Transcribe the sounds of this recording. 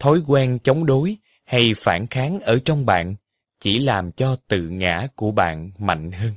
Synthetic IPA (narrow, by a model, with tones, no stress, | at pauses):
t̪ʰo˨˦jkwɛ˧nt͡ɕɔ˨˦wŋ͡mɗo˨˦j | ha˧jfaː˧˩nxaː˨˦nʔəː˧˩t͡ɕɔ˧wŋ͡mɓa̰ː˧˨n | t͡ɕi˧˩laː˨˩mt͡ɕɔ˧t̪ɨ̰˧˨ŋa̰ː˧˩˥ku˧˩əɓa̰ː˧˨nma̰˧˨jŋ̟həː˧n